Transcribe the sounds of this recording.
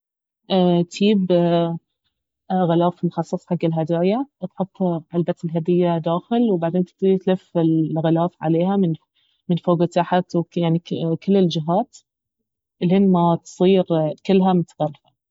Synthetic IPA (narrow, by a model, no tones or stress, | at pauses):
ʔat̪iːb | ɣɪlaːfmʊxɑsˤːɑsˤħaɡːɪlɦad̪aʕjat̪ħʊt̪ˤːʕalbat̪ɪlɦad̪ɪjːad̪aːxɪlwbaʕd̪eːnt̪t̪it̪lɪfɪlɣɪlaːfʕa̰leːɦamɪn | mɪnfoːɡt̪aħat̪wjaʕnikɪlːɪld͡ʒɪɦaːt̪ | ʔɪlhɪnmat̪sˤiːɾkɪlːɦamʊt̪ḁɣalːfḁ